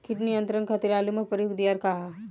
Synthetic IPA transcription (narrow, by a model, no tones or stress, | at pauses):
kɪʈnijɐ̃nt̪ɾɐ̃ŋkʰɐt̪iɾaːlumɐpɐɾjoːɡd̪ijaɾkaɦa